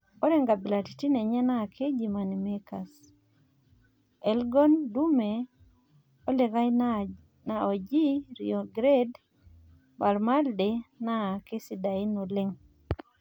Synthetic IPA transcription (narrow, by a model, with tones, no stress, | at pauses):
ɔ˦ɾɛ˦ŋɡa˨bɪ˨la˨ti̥˨ti˦ne˨ɲɛ˦na˦˨kʰe˦d͡ʒi˨ma˨ni˨me˦ka˨s | ɛ˦lɡɔ˦ndu˦me˨ | ɔ˦lɪ˨ɡa˦j | naɔ˨d͡ʒi˦ɾiɔ˨ɡɾe˦d | ma˨lma˦lde˨na˦˨ke˦si˨da˨ɪ˦no˨lɪ˦ŋ